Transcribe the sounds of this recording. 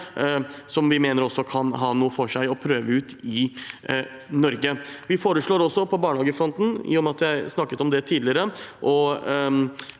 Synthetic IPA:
sɔmʋɪmeːnəɾɔsːɔkʰɑnɦɑːnuːəfɔʂæɪɔpʰɾøːʋəʉːt̪ɪ | nɔɾɡəʋɪfoːɾəʂɭoːɾɔsːɔpʰɔbɑːɳhɑːɡəfɾɔnt̪n̩jʊmɑt̪jæɪsnɑkːət̪ɔmd̪ɛt̪ʰiːd̪lɪəɾəʔɔ

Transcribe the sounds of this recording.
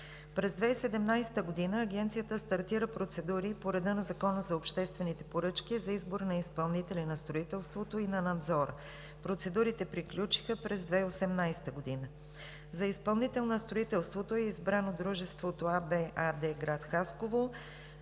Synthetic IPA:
pɾɛzd̪vɛisɛd̪ɛmnajsɛ̥t̪əɡod̪inəːɡɛnt̪sijət̪əst̪ɐɾt̪iɾəpɾot̪sɛd̪uɾipoɾɛd̪ənɐzɐkɔnəzɐopʃt̪ɛst̪vɛnit̪ɛpoɾɤt͡ʃk̟izɐizboɾnɐispɐlˠnit̪ɛlinɐst̪ɾoit̪ɛlˠst̪vot̪oinɐnɐd̪zɔɾə | pɾot̪sɛd̪uɾit̪ɛpɾiklʲut͡ʃi̥xəpɾɛzd̪vɛiosɛmnajsɛ̥t̪əɡod̪inə | zɐispɐlˠnit̪ɛlˠnɐst̪ɾoit̪ɛlˠst̪vot̪oɛizbɾanod̪ɾuʒɛst̪vot̪oabɛʔad̪ɛɡɾat̪xaskovo

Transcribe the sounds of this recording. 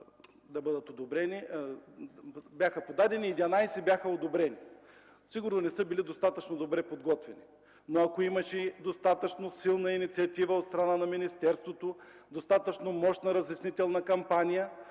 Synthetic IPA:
d̪ɐbɤd̪ət̪od̪obɾɛni | bʲjaxəpod̪ad̪ɛniːd̪ʲɐnajsɛbʲjaxəod̪obɾɛni | siɡʊɾnonɛsɤbilid̪ost̪at̪ət͡ʃnod̪obɾɛpod̪ɡɔt̪vɛni | noɐkoimɐʃɛd̪ost̪at̪ət͡ʃnosilˠnɐinit̪siɐt̪ivəot̪st̪ɾɐnanɐminist̪ɛɾst̪vot̪o | d̪ost̪at̪ət͡ʃnomɔʃt̪nɐɾɐzɪsnit̪ɛlˠnɐkɐmpanʲijə

